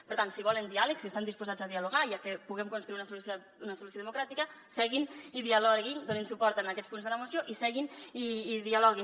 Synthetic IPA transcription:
pəɾt̪ansiβ̞ɔlənd̪ialəksiest̪and̪ispuzad͡zaðialuɣajakəpuɣɛmkunst̪ɾuiunəsuluso | unəsulus̬oðəmukɾat̪ikə | sɛɣiniðialɔɣind̪oninsupɔɾt̪ənakɛt͡spunzðələmusioʔisɛɣiniːðialɔɣi

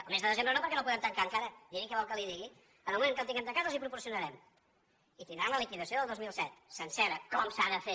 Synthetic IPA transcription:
əlˠmezðəðəzembɾənopəɾkɛnolpuðɛmt̪əŋkaəŋkaɾəd̪iɾikɛβɔlˠkəliðiɣi | ənəlmumẽŋkəlˠt̪iŋɛmt̪əŋkat̪əlˠzipɾupuɾsiunəɾɛm | it̪ind̪ɾamləlikiðəsioðəlˠdozmilˠsɛt̪sənsɛɾəkɔmsaðəfe

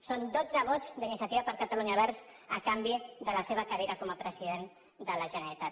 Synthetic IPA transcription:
sond̪od͡zəβ̞ɔd͡zd̪inisiət̪iβəpəɾkət̪əluɲaβɛɾz | əkambiðələseβəkəɾeɾakɔməpɾəziðen | d̪ələʒənəɾit̪at̪

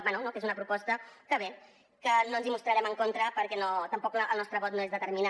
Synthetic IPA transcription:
bɛnunokezunəpɾupɔst̪əkəβe | kənoənzimust̪ɾəɾɛməŋkont̪ɾəpəɾkɛnot̪əmpɔkəlˠnɔst̪ɾəβɔt̪noezðət̪əɾmina

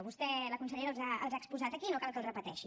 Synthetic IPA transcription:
βust̪ɛləkunsəʎeɾəlˠzaəlˠzaəkspuzat̪əkinokalˠkəlˠrəpət̪ɛ̰ʃi

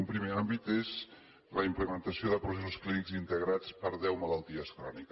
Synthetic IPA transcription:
umpɾimeambit̪ez | ləimpləmənt̪əsioðəpɾusesusklinikzint̪əɣɾat͡spəɾðɛwməlalˠt̪iəskɾɔnik

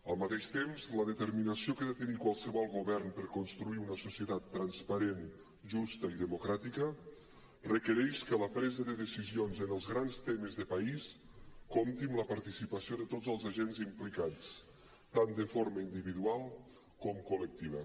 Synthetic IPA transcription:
əlˠmat̪eʃt̪emzləðət̪əɾminəsiokeðət̪ənikwalˠsəβɔlˠɣuβɛrnpəɾkunst̪ɾuiunəsusiət̪at̪ːɾanspəɾen | ʒust̪əiðəmukɾat̪ikə | rəkəɾɛʃkələpɾɛzəðəðəsizionzənəlˠzɣɾanst̪eməzðəpais | komt̪imləpaɾt̪isipəsioðət̪od͡zzəlˠzaʒenzimplikat͡s | t̪and̪əfoɾməind̪iβiðualˠ | kɔmkulək̚t̪iβ̞ə

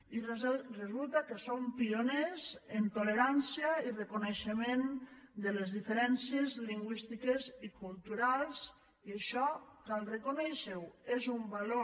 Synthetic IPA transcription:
irezulˠt̪akesompionezent̪oleɾansjairekoneʃemend̪əlezðifeɾɛnsjezliŋɡwist̪ikezikulˠt̪uɾalˠs | ieʃɔkalrekonɛʃewezumbalo

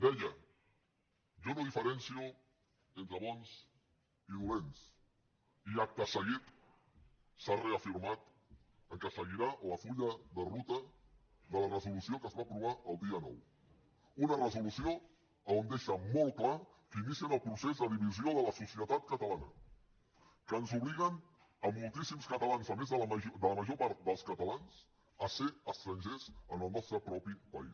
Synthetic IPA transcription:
d̪ɛjə | ʒɔnoðifəɾɛnsiu | ent̪ɾəβɔns | iðulens | iak̚t̪əsəɣit̪ | sareəfiɾmat̪ | əŋkəsəɣiɾaləfuʎəðərut̪ə | ðələrəzulusiokəzβapɾuβ̞aʔəlˠd̪iənɔ̰w | unərəzulusio | əond̪eʃəmɔlˠt̪̚kla | kəinisiənəlˠpɾusezðəðiβizioðələsusiət̪at̪̚kət̪əlanə̰ | kənzuβliɣən | əmulˠt̪isimskət̪əlanzəmezðəlʒd̪ələməʒopaɾt̪̚d̪əlˠskət̪əlanz | əseəst̪ɾənʲʒezənəlˠnɔst̪ɾəpɾɔpipəḭs

